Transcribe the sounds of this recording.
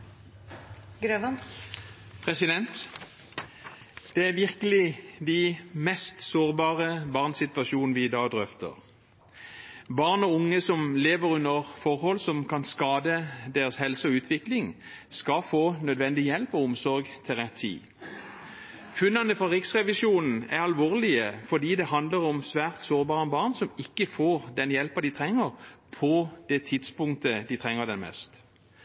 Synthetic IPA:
ɡɾøʋɑn | pʰʁɛsɪd̪ɛnt̪ | d̪̥ɛæʁʋɪʁkəlɪd̪æmɛst̪soːʁbɑːʁəbɑʁnsɪt̪ʋɑʃjuːnn̩ʋɪd̪ɑːd̪ʁœft̪ə̰ʁ | bɑʁnɔʊŋːəsɔmleːʋəɾʉnəʁfɔʁhɔlsɔmkʰɑnskɑːd̪əd̪eːʁəshɛlsəɔʉːt̪ʰʋɪklɪŋskɑfoːnœd̪ʋɛnd̪ɪjɛlpɔʊmsɔʁɡt̪ʰɪlʁɛt̪ʰːḭː | fʉnːɑnəfɔʁɪksʁɛʋɪʃuːnn̩æʁɑlʋoːʁlɪəfɔd̪iːd̪ɛhɑnd̪ləʁɔmsʋæːʁt̪soːɾbɑːʁənbɑʁnsɔmɪkːəfoːʁd̪ɛnjɛlpɑd̪ɪt̪ʰʁɛŋːəʁpʰɔd̪̥ɛt̪ʰɪd̪spʊŋkt̪əd̪ɪt̪ʰʁɛŋːəʁd̪ɛnmɛ̰st̪

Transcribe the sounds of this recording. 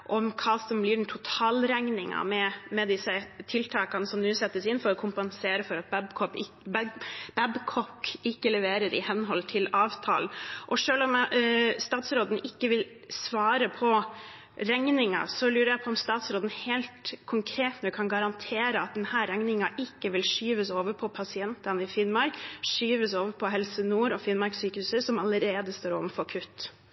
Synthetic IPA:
ʔɔmkʰɑːsɔmblɪːɖɛnt̪ʰʊt̪ʰɑːlɾæŋnɪŋɑ̰mɛmɛd̪ɪsːət̪ʰɪlt̪ʰɑːkɑnəsɔmnʉːsɛt̪ːəsɪnfɔɾɔkʰʊmpɑnseːɾəfɔɾɑt̪̚bɛbkʰɔ | b̥ɛbkʰɔkːɪkːəlɛʋeːɾəɾɪ̰hɛnːɦɔlːt̪ʰɪlɑːʋt̪ʰɑ̰ːlnʔɔʂøːlɔmst̪ɑːt̪sɾoːd̪n̩ɪkːəʋɪl | sʋɑːɾəpʰɔ | ɾɛŋnɪŋɑ̰sɔlʉːɾəɾjæɪpʰɔɔmst̪ɑːt̪sɾoːd̪n̩heːlt̪kʰʊŋkʰɾeːt̪nəkʰɑnɡɑɾɑnt̪ʰeːɾəɑt̪̚d̪ɛnhæːɾɛŋnɪŋɑʔɪkːəʋɪlʂyːʋəsoːʋəpʰɔpʰɑsɪɛnt̪ɑnɪfɪnmɑɾkʂyːʋəsoːʋəpʰɔɦɛlsənuːɾɔfɪnmɑɾksyːkəhʉːsəsɔmɑləɾeːd̪əst̪oːɾo̰ːʋənfɔɾkʰʉt̪ː

